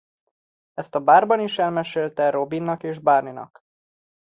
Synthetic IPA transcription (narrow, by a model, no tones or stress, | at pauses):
ɛst̪ɒbaːrbɒniʃɛlmɛʃeːlt̪ɛɾo̞binːɒkeːʒbaːrninɒ̰k